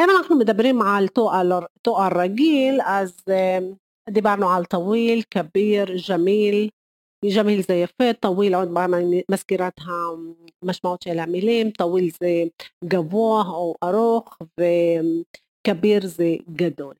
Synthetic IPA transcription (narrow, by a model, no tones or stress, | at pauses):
ʔamanʔaħnʊmʊd̪abːɪɾiːnmaʕalt̪uːʔat̪uːʔarˤːɑɡiːlʔaz | ʔd̪ibaɾˤnaʕalt̪ˤɑwiːlkabiːɾʒamiːl | ʒamiːlzajːafeːt̪ˤːɑwiːlʕod̪baɾmamaskiɾat̪ɦamaʃmaʕuːt̪alaʕmɪliːmt̪ˤɑwiːlzejɡavuːɦʔawʔɑɾuːxfɪ | kabiːɾzejɡad̪uːl